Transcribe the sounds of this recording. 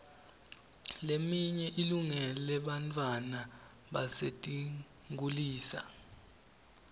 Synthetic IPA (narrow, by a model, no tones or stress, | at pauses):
lemiɲɛʔiluŋɛlɛɓantʼwana | ɓasetʼi | ŋuliːsa̰